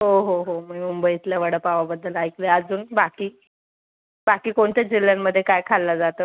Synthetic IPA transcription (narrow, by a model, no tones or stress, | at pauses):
ɦoɦoɦoməmumbəit̪ljaʋəɽəpaʋabəd̪ʱːəlajkleəd͡zuːnbakiː | bakiːkoɳt̪jad͡ʑilːjamːəd̪ʱːjekajkʰalːad͡zat̪əː